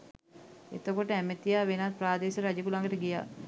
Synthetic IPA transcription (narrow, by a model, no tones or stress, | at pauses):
ḛt̪əkoʈəæmet̪ijaːʋenat̪̚praːd̪eːʃəɾad͡ʒəkulaŋəʈəɡija̰ː